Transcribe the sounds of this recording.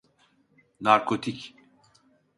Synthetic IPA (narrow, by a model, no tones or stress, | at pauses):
naɾkʰot̪ʰic